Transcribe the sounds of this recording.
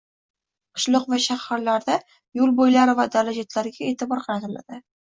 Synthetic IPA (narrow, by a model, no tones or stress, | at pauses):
qʰʊ̥ʃlˠɨqvaʃahːaɾlaɾd̪a | jʊlˠbojlaɾɪvad̪alad͡ʒat̪laɾɡʲaeːt̪ɪbɒɾqʰɑɾat̪ɪla̰d̪̥ɪ